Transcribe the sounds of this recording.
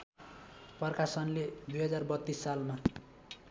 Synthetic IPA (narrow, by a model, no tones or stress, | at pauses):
pʌrkasʌnled̪ujɦʌd͡zarbʌt̪ːisːalma